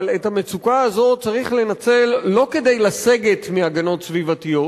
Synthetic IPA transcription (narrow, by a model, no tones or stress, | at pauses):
lethame̞t͡sukaazo̞t͡saʁiχle̞nat͡se̞lːo̞ke̞d̪e̞jlase̞ɡe̞tmiaɡano̞t̪svivatijo̞t